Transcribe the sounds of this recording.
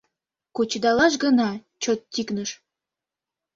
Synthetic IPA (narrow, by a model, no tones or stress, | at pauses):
kot͡ɕd̪ɑlɑʃ̬ɡənɑt͡ɕot̪ːiknəʃ